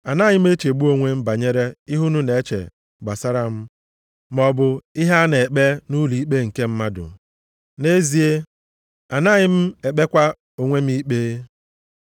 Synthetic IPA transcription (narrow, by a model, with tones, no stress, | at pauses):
a˨naː˦˨ɲɪ˦m̩˦e˦t͡ʃe˨ɡ͡bu˦o˦ŋʷe˦m̩˦ba˨ɲe˦ɾe˦ɪ˦ɦu˦nu˦ne˨e˦t͡ʃḛ˨ | ɡ͡ba˨sa˦ɾa˦m̩˦ | mɔ˨bʊ˨ɪ˦ɦa˦ne˨k͡pe˦nu˦li˨i˦k͡pe˦ŋ̩˨ke˦m̩˦ma˦dʊ̰˨ | ne˦zi˦e˦ | a˨na˦˨ɲɪ˦m̩˦e˨k͡pe˦kʷa˦ | o˨ŋʷe˦m˦i˦k͡peː˦